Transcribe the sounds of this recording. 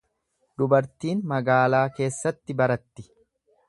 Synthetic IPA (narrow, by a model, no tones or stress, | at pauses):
d̪ʊbɐɾt̪iːnmɐɡaːlaːke̞ːsːɐt̪ːɪbɐɾɐt̪ːɪ̥